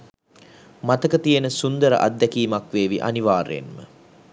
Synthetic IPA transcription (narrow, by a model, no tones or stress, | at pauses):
mat̪əkət̪ijənəsund̪əɾə̰ʔa̰d̪ːækiːmakʋeːʋḭʔa̰niʋaːɾḛnmə̰